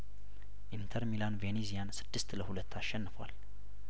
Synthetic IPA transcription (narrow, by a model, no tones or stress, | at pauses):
ʔint̪ʰəɾmilanvenizijansɨ̥d̪ːɨst̪ləhulət̪ːaʃːɛnːɨfwa̰l